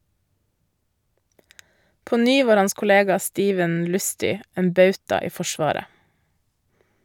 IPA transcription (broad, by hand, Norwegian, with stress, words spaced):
ˈpoː ˈnyː ˈʋɑːɾ ˈɑns kʊˈleːɡɑ ˈstiːʋən ˈlʉstʏ ˈeːn ˈbɑʉtɑ ˈiː ˈfɔʃʋɑːɾə